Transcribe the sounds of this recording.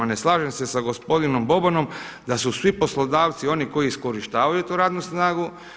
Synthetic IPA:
ane̞slˠaːʒemse̞saɡo̞spo̞d̪ino̞mbo̞bano̞m | d̪asusʋipo̞slˠod̪aːʋt̪sio̞niko̞jiisko̞ɾiʃt̪aːʋajut̪uːɾaːd̪nusnaːɡu

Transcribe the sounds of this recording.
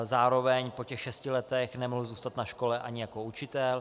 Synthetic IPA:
zaːɾo̞vɛɲpocɛxʃɛscɪlɛt̪ɛxnɛmoɦzuːst̪at̪naʃko̞lɛʔa̰ɲɪjako̞ut͡ʃɪt̪ɛl

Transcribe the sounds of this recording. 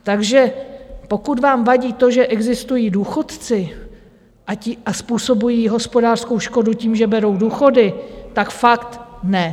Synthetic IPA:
t̪aɡʒɛpo̞kut̪vaːmvaɟiːt̪o̞ʒɛʔɛɡzɪst̪ujiːduːxo̞t̪t͡sɪ | ʔaiʔaspuːso̞bujiːɦo̞spo̞daːr̥sko̞wʃko̞duciːmʒɛbɛɾo̞wduːxo̞dɪt̪akfakt̪nɛ

